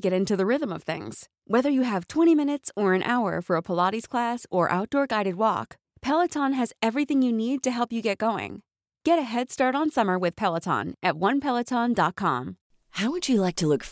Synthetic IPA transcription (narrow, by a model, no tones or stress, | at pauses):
ɡɛɾɪ̃ntʉðɨɹɪðə̃mʌv̥θɪ̰̃ŋz̥ | wɛðə˞jɨɨv̥tʰw̥ɛ̃ɾ̃imɪ̃nɨtsə˞ɨ̃nʔaʊə̰˞fə˞əpʰəlɑɾiz̥kʰl̥æsə˞ʔa̰ʊt̚d̥ɔɹɡaɪɾɨd̚wɔ̰k | pʰɛlˠətʰɑ̃nɨzɛvɹiθɪ̃ŋjɨnid̚tɨɦɛlˠpjɨɡɛt̚ɡ̥oʊɪ̰̃ŋ | ɡ̥ɛɾɨɦɛd̥stɑɹɾn̩sʌmə˞wɨð̥pʰɛlˠətʰɑ̰̃nʔɨt̚wʌ̃npʰɛlˠətʰɑ̃ndɑt̚kʰɑ̰̃m | haʊwɨd͡ʒɨlaɪk̚tʰəlʊk